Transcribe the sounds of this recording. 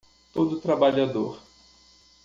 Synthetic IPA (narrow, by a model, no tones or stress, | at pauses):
t̪od̪ʊt̪ɾabaʎad̪oɾ